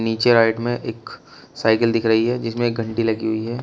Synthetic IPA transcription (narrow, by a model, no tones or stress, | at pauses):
niːt͡ʃeɾaːɪʈmẽʔeːk | saːɪkəld̪ɪkʰɾɐɦiɦɛːd͡ʒɪsmẽːk̚ɡʱɐ̃ɳʈilɐɡiɦʊiɦɛː